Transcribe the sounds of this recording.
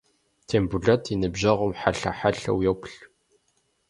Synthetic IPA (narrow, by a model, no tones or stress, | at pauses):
t̪ʰembuɮæt̪inəbʒɐʁʊmħaɬa̰ħaɬæ̰wjækɬ